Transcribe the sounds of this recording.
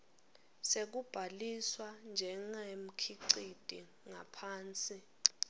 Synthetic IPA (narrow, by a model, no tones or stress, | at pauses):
sek̬ub̥ʱaliswand͡ʒʱɛŋaem̩kʰiǀid̥ʱi | ŋapʰaːnt͡sʼi